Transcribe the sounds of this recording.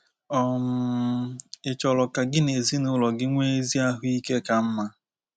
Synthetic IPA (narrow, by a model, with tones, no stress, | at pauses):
ɔ˨m̩˨ɪ˨t͡ʃɔ˨lɔ˨ka˨ɡɪ˦ne˨zi˦nʊ˦lɔ˨ɡɪ˦ŋʷe˦e˦zi˦a˦ɦʊ˦i˦ke˦ka˦m̩˦ma˦